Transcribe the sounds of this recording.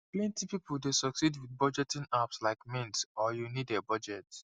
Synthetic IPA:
plɛ̃ntipipuldesɔksidwiθbɔd͡ʒɛtĩnapslaɪkmɛ̃ntɔjunidɛbɔd͡ʒɛt

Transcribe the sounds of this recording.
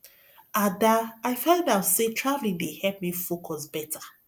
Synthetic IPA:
adaaɪfãndaʊsetʰɹavlĩŋdehɛlp̚mifokʰɔsbɛtʰa

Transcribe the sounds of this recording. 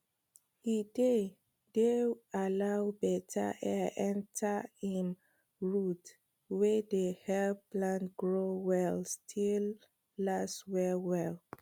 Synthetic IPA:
ide | dealawbɛtʰa̰ʔɛʔɛ̃ntʰaĩn | ɹut | wɛdehɛlplãntɡɹowɛlstʰilː | aswɛwɛl

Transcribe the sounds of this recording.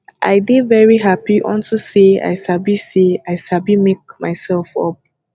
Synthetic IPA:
ʔa̰jbevɛɹiɦapiʔɔ̰̃ntusea̰jsabiseaɪsabimek̚maɪsɛlfɔ̰p̚

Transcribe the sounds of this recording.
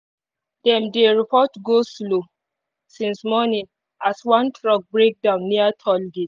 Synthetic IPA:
d̥ɛ̃mdeɹipʰɔtɡoslo | sĩnsmɔnĩŋ | aswãntʰɹɔk̚bɹek̚dãʊ̃nːiatʰɔlɡi

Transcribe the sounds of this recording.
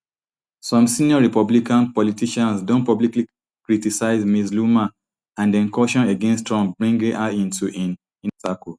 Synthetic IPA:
sɔ̃msĩniɔɹipɔblikãnpɔlitiʃãnsdõntpɔblikli | kɹitisaɪzmisluma | ãndɛ̃nkɔʃɔ̃neɡɛ̃nstɹɔ̃mbɹĩŋɡĩʔaĩntʰuʔĩn | ĩntaku

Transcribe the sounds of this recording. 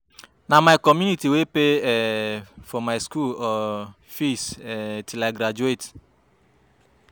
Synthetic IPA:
namaɪkɔmjunitiwepefɔmaɪskulɔ | fisɛtilaɪɡɾad͡ʒuet

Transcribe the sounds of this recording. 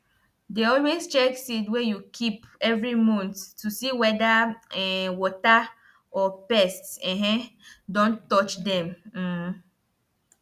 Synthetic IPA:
deɔlwest͡ʃɛksitwɛjukʰipɛvɾimɔ̃nttusiwɛdaɛwɔta | ɔpɛstɛ̃ɦɛ̃dõntɔt͡ʃdɛ̃m̩

